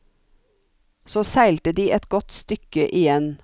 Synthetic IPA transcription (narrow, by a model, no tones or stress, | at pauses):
soːsæɪlt̪əd̪iːʔɛt̪ɡɔt̪st̪ʏkəʔɪjɛn